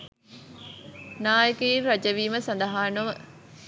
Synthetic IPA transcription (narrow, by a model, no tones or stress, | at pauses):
naːjəkəiɾɐd͡ʒəʋiːməsand̪əɦaːnuʋə